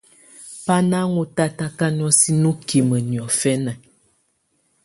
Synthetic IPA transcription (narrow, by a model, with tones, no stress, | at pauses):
pa˦na˦ŋu˦ta˦ta˦ka˦n˦ɔ˦si˦nu˦ki˨mə˨njɔ˨fɛ˦na˨